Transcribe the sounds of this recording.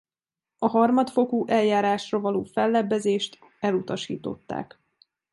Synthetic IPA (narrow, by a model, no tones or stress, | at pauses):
ɒɦɒrmɒt̪fo̞kuʔɛljaːɾaːʃrɒvɒloːfɛlːɛbːɛzeːʃt̪ | ɛlut̪ɒʃḭːt̪o̞̰t̪ːa̰ːk